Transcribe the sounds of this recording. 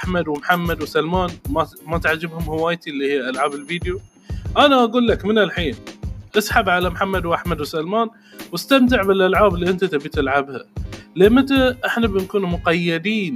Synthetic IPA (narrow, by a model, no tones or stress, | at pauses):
ʔaħmad̪wɪmħamːad̪wsalmaːnmamat̪ʕad͡ʒːɪbhʊmhɪwaːjt̪iʔlːihijːʔalʕaːbɪlviːd̪ju | ʔanaʔaɡuːlːakmɪnɪlħiːnʔasˤħabʕalamħamːad̪wʔaħmad̪wsalmaːn | wɪst̪amt̪ɪʕbɪlʔalʕaːbɪlːiʔɪnt̪at̪abit̪ɪlʕabhalemat̪aʔɪħnabɪnkuːnumʊqɑjːɪd̪iːn